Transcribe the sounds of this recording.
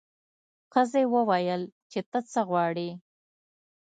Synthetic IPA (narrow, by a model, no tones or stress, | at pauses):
xəzewəwajəlt͡ʃet̪ət͡səɣwɑɽi